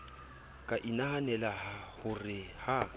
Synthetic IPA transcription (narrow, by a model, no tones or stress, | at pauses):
kʼaʔinahanɛlahahʊrɪha